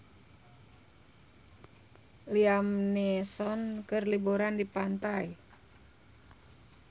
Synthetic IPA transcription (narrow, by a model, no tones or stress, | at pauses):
liamnesɔnkərlibuɾandipant̪aj